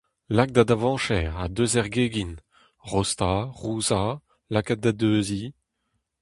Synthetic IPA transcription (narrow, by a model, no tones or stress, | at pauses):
lak̚d̪ad̪avɑ̃ːʃɛʁad̪øzɛʁɡeːɡin | ʁɔst̪aʁuːza | lakat̪̚d̪ad̪øːzi